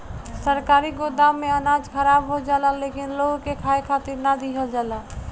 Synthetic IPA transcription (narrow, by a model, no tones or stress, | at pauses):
səɾkaːɾiɡoːd̪amẽənaːd͡ʒkəɾaːbɦod͡ʒaːlalekɪnloːɡkekʰaːekʰaːt̪ɪɾnad̪ʱiɦod͡ʒaːla